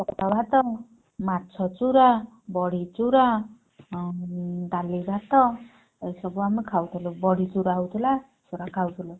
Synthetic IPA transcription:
pɔkʈɔbʱat̪ɔ | mat͡ʃʰɔt͡ʃuɾa | bɔɽit͡ʃuɾa | d̪alibʱat̪ɔ | sɔbuamikʰawt̪ʰilubɔɽit͡ʃuɾaɦwt̪ʰila | t͡ʃuɾakʰawt̪ʰulɔ

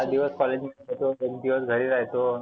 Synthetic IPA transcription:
ad̪iʋəskɔled͡ʑmeet̪oeɡd̪iʋəsɡʱəɾiːɾaɦt̪o

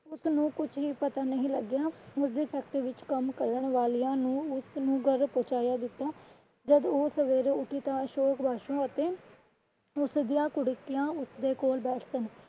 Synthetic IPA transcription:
ʊsnũːkʊt͡ʃɦiːpət̪aːnəɦĩːləɡjaːʊsd̪eːpʰɛːk̚ʈ̪ːʋɪt͡ʃkəmkəɾəɳʋaːlijãːnũːʊsnũːɡəɾpõːt͡ʃaːjaːd̪ɪt̪ːaː | d͡ʒəd̪oːsəʋeːɾʊkiːt̪ãːəʃoːkbʱaːʃõːət̪eː | ʊsd̪ijãːkʊɽɪkijãːʊsd̪eːkoːlbɛːʈʰsən

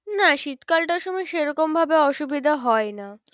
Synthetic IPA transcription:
naʃit̪kalʈaɾʃɔmɔjʃejɾɔkombʱabeɔʃubid̪ʱaɦɔena

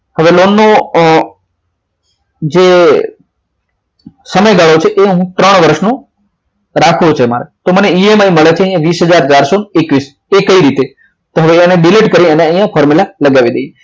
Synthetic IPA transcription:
həʋelonːo | d͡ʒe | səməjɡaɭot͡ʃʰeʔeɦũt̪ɾəɳ̃ʋəɾʃnũ | ɾakʰot͡ʃʰema̰ɾet̪oməneiemajməɭet͡ʃʰeəj̃ãʋisɦəd͡ʒaɾd͡ʒaɾsonekʋis | ekəiɾit̪e | t̪oɦəʋeəneɖileʈkəɾĩəneə̃jãfʰɔɾmulaləɡaʋid̪eje

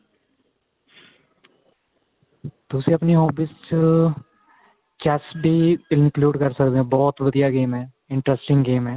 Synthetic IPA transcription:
t̪ʊsĩːəpniːɦɔːbiːst͡ʃ | kɛːsɖiːɪnkluːɖkəɾsəkd̪eːɦɛ̃ːbɔːt̪ʋəd̪ijaːɡeːmɛː | ɪɳʈɾɛsʈɪ̃ŋɡɡeːmɦɛː

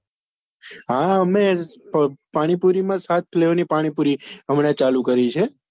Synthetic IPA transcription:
ɦãəme | paɽ̃ipuɾimãsat̪̚pʰleʋnipaɽ̃ipuɾiəmɽet͡ʃalukəɾit͡ʃʰe

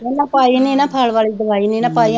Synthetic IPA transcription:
enãːpaːiːnĩːnãːpʰaːlʋaːliːd̪əʋaːiːnĩːnãːpaːĩ

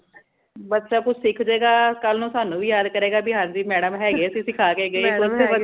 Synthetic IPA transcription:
bət̪ːʃaːkʊt͡ʃʰsɪkʰd͡ʒeːɡaːkəlnũːsaːnũːʋiːjaːd̪kəɾeːɡaːbiɦãːnd͡ʒiːmɛːɖəmɦɛːɡeːəsĩːsɪkʰaːkeːɡəiːkʊ

